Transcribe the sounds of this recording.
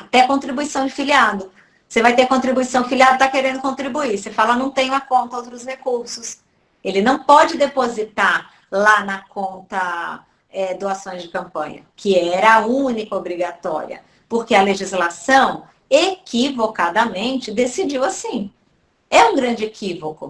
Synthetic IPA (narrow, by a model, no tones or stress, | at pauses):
at̪ɛkõnt̪ɾibuisɐ̃w̃d͡ʒɪfiliad̪ʊ | sevajt̪eɾkõt̪ɾibuisɐ̃w̃d͡ʒɪfiliad̪ʊt̪akeɾẽnd̪ʊkõnt̪ɾibuisefalɐnɐ̃w̃t̪ẽj̃ũɐkõnt̪ɐowt̪ɾʊshekuɾsʊs | elɪnɐ̃w̃pɔd͡ʒɪd̪epozit̪aɾ | lanɐkõnt̪ɐ | ɛd̪oasõj̃zd͡ʒɪkɐ̃mpɐ̃ɲɐ̰kʰɪɛɛɾɐũnikɐobɾiɡat̪ɔ̰ɾḭɐ̰ | poɾkeɐleʒizlasɐ̃w̃ | ekivokad̪ɐmẽnt͡ʃɪd̪esid͡ʒiwasĩ | ɛũɡɾɐ̃nd͡ʒɪekʰivokʊ